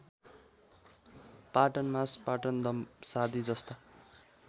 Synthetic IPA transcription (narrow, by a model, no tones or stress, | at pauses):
paʈʌnmaspaʈʌnd̪ʌmsad̪ʱid͡zʌst̪a